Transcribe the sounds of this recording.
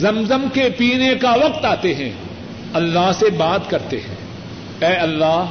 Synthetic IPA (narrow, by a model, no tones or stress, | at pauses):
zɐmzəmkepiːnekaʋɐq̚t̪aːt̪eɦɛ̰̃ | ɐlːaɦsebaːt̪kɐɾt̪eɦɛ̰̃ː | ɛːɐlːaː